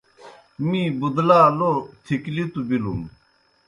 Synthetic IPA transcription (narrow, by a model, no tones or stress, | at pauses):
mibud̪laːlot̪ʰiklit̪ubilṵm